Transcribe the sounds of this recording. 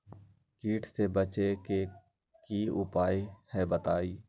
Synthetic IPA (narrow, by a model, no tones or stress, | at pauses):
kiːʈʰsebət͡ʃeke | kiʊpaːihɛbət̪aːiː